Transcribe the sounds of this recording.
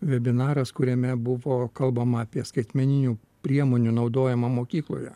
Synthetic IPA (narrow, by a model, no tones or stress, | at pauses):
ʋʲɛbʲɪnɑːɾɐskʊɾʲɛmʲɛbʊʋoːkɐlˠbɐmɐɐpʲiɛskɐɪt̪ʲmʲɛnʲɪnʲuː | pʲɾʲiɛmoːnʲunɒʊd̪oːjɛmɐmoːkʲiːklˠo̰ːjɛ